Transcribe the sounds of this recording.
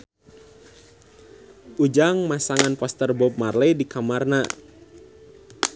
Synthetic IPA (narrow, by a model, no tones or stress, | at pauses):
ʔud͡ʒaŋmasaŋanpɔst̪ərbɔp̚marlɛdikamarna